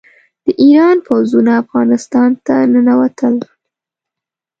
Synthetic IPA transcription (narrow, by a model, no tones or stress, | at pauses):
d̪̥əʔiɾɑnpawzunaːfɣɑnɪst̪ɑnt̪anənawat̪ʰəl